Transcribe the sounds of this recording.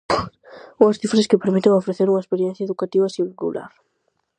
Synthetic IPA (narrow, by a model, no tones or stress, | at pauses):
uŋɐsθifɾeskɪpeɾmit̪eŋofɾeθeɾuŋɐespeɾjɛ̃n̟θjaeðukat̪iβɐsireɡṵla̰ɾ